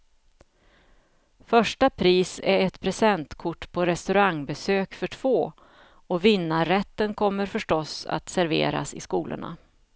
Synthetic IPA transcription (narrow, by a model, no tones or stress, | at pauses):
fœʂʈapʰɾiːsæɾɛt̪pʰɾɛsɛnt̪kʰʊʈːpʰɔɾɛst̪ɵɾaŋbɛsøːkfœʈʰv̥oː | ɔvɪnːaɾɛt̪ːənkʰɔmːəɾfœʂʈɔsa̰t̪sæɾvḛːɾa̰sɪ̰skuːlə̰ɳa̰